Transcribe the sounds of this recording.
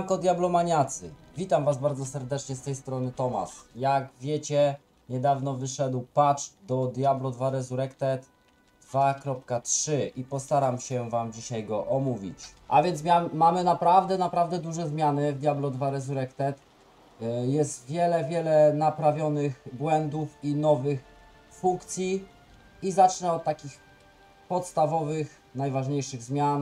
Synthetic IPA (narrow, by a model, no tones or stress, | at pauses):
mkɔd̪ʲjablɔmaɲat̪sɘ̰vʲit̪amvazbaɾd̪zɔsɛɾd̪ɛt͡ʂɲɛst̪ɛjst̪ɾɔnɘt̪ɔma̰ʂjaɡvʲjet͡ɕɛ | ɲɛd̪avn̪ɔvɘʂɛd̪wpat͡ʂd̪ɔd̪jablɔd̪vaɾɛzuɾɛkt̪ɛt̪ | d̪v̥akɾɔp̚katʂɘʔipɔst̪aɾamɕɛvamd͡ʑiɕajɡɔʔɔmuvʲḭt͡ɕʔa̰vʲjɛnt̪smʲamamɘnapɾavd̪ɛnapɾavd̪ɛd̪uʐɛzmʲjanɘvd̪ʲjablɔd̪vaɾɛzuɾɛkt̪ɛt̪ | jɛst̪vʲjɛlɛvʲjɛlɛnapɾavʲjɔnɘxbwɛnd̪ufinɔvɘx | fuŋkt̪sʲji | izat͡ʂnɛɔt̪̚tːakʲix | pɔt̪st̪avɔvɘx | najvaʐɲejʂɘɣzmʲjan